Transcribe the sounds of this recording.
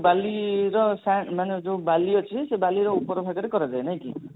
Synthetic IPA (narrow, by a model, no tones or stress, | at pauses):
baliɾɔsamaned͡ʒẽbaliɔt͡ʃʰisebaliɾɔupɔɾɔbʱaɡɔɾekɔɾad͡ʒaenaj̃kḭ